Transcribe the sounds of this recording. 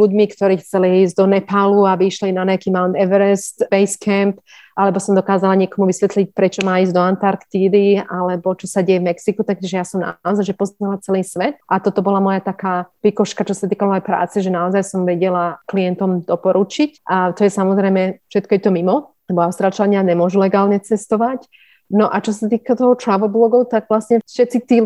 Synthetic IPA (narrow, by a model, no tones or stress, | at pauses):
luɟmikt̪ɔɾiːxt͡sɛliiːzɟd̪ɔnɛpaluabiiʃlinaɲɛakiːmaʊnt̪ɛʋɛɾɛst̪bɛjskʰɛmp | ʔalɛbɔsɔmd̪ɔkaːzalaɲɪɛkɔmuʋisʋɛt̪lic̚pɾʔɛt͡ʃɔmaːiːzd̪ɔant̪aɾkt̪iːd̪ialɛbɔt͡ʃɔsaɟɛjɛvmɛksikut̪ak̚tiʒɛjasɔmna̰ɔzajʒɛpɔzɲalat͡sɛliːsʋɛt̪ʔat̪ɔt̪ɔbɔlamɔjat̪akaːpikɔʃkat͡ʃɔsat̪iːkamɔjɛjpɾa̰ːt͡sɛʒɛnaɔzajsɔmʋɛɟɛlaklijɛnt̪ɔmd̪ɔpɔɾut͡ʃicʔat̪ɔjɛsamɔzɾɛjmɛfʃɛt̪̚kɔjɛt̪ɔmimɔlɛbɔaʊst̪ɾaːlt͡ʃlaɲɪaɲɛmʊɔʒulɛɡaːlɲɛt͡sɛst̪ɔʋac | nɔʔat͡ʃɔs̬at̪iːkat̪ɔɦɔt̪ɾaʋɔblɔɡɔʊt̪aɡʋlasɲɛfʃɛt̪t͡sit̪iː